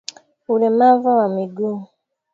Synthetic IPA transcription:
ulemavawamiɡu

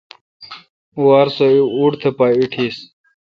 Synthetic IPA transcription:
uaɾsoiuɽt̪ʰepaiʈʰis

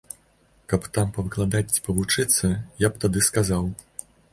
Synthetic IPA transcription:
kɐpt̪ampɐvɨklˠad̪apɐvut͡ʂɨt̪sːɐjap̚t̪ad̪ɨskazaw

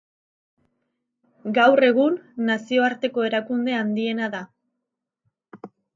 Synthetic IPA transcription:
ɡawre̞ɣ̞unːasio̞aɾt̪e̞ko̞e̞ɾakund̪e̞and̪ie̞naða

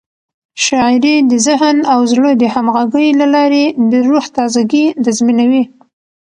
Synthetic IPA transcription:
ʃɑɪɾid̪əzɪɦnawzlod̪əhamɣaɡəjlalɑɾed̪əɾuht̪ɑzaɡid̪əzminawi

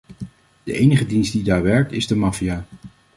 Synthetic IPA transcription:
d̥əʔejnəχədinstdidaːɹʋɛɹk̚tɪzdəmɑfijaː

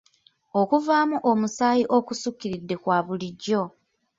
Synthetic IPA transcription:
okuvaːmuʔomusaːjiʔo̞kusukːiɾidːe̞kwaːβuliɟːo̞

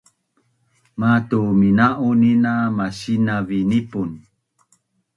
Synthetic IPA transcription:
matuminaʔuninamasinavinipun

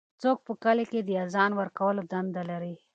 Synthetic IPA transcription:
t͡sok̚pəkəleked̪əjazɑnwəɾkawəlod̪and̪alaɾi

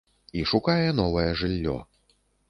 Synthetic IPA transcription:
iʂukajɛn̪ɔvɐjɛʐɨlʲːɔ̰

